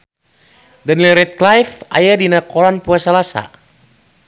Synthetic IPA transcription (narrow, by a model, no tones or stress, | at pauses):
dənilɾɛt̪̚klajfa̰jadinakɔlanpuasalasa̰